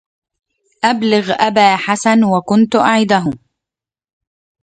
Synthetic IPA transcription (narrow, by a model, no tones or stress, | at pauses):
ʔablɪɣʔabaːħasanwakʊnt̪ʊʔaʕɪd̪aɦʊm